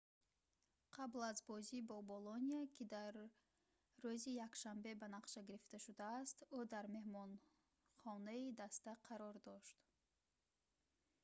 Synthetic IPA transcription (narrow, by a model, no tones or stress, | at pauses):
qʰablazbɔzibɔboloniakʰid̪aɾː | uzijakʃambe̞banaqʃaɡiɾift̪aʃud̪aːst̪ud̪aɾme̞hmɔn | χɔnaid̪ast̪aqʰɑɾɔɾd̪ɔʃt̪